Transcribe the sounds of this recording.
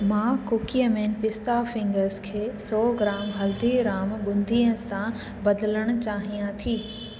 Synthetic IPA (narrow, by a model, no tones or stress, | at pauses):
mãːkʊkijəmeːnpɪst̪afɪ̃ŋɡəɾskʰeːsɔːɡɾaːmɦɐld̪iɾaːmɓʊ̃nd̪ʱiːə̃sã | bɐd̪ələɽ̃ʊ̆t͡ɕaːɦijãt̪ʰiː